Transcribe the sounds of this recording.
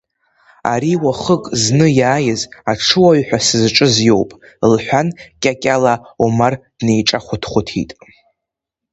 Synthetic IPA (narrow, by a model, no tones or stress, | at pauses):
a̰ɾiwaχəkʼznɨjaːjɪzaʈ͡ʂʰɨwaɥħʷᶣasɨzʈ͡ʂʼɨzjowpʼ | lħʷᶣankʲʼakʲʼalaumard̥nejʈ͡ʂʼaχʷʊtʰχʷʊtʰḭtʼ